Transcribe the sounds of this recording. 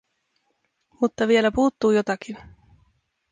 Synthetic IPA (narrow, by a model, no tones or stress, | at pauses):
mut̪ːɑʋie̞læpuːt̪ːuːjo̞t̪ɑk̟in